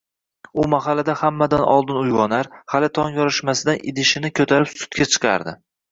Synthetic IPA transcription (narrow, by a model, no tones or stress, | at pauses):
ʊmaɦalad̪ahamːad̪anʔɒ̰lˠd̪ɪnʊjʁɒnaɾhalɪt̪ʰɒŋjɒɾɪʃmasɪd̪anʔɪ̰d̪ɪʃɪnɪkʲʰɵt̪ʰaɾɪpsʊ̥t̪̚kʲat͡ʃʰɨ̥qʰɑ̰ɾd̪ɪ